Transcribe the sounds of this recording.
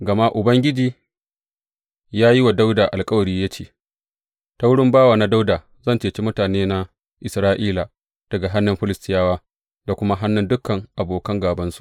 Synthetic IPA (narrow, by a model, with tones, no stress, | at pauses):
ɡɐ˨ma˦ʔʊ˨bɐ˦ŋɡʲɪ˦d͡ʒiː˦ | jaː˦ji˦wa˨da˦wdaː˨ʔa˨lkʼɐ˦wɐ˨ɽiː˦ja˦t͡ʃeː˨ | ta˦wʊ˦ɽɪ˦mbaː˦waː˨na˦da˦wdaː˨ | zɐ˦˨nt͡ʃeː˨t͡ʃe˦mʊ˦taː˨neː˦na˦ | ʔɪ˨sɾaː˦ʔiː˦la˨ | d̥ɐ˨ɡa˨ɦa˦nːɪ˨mɸɪ˦lɪ˨stɪ˦jaː˦waː˦ | da˨kʷʊ˦ma˦ɦa˦nːʊ˦ndʊ˦kːɐ˨ŋʔa˨boː˨kɐ˦ŋɡaː˨bɐ˦nsu̥˨ʔ